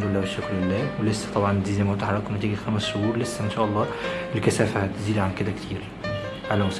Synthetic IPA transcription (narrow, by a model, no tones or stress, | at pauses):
d̪oelːæːweʃːʊkɾelːæːwelesːæ̥t̪ˤɑbʕɑnziːzæmot̪ħɑɾˤːɑkwenæt̪æːɡæd̪xæmæsʃohuːɾlesːæʔenʃæːʔɑlˤːɑːʔelkæsæːfæhæt̪ziːd̪ʕanked̪ækt̪ʰiːɾ | ʕalæmʊs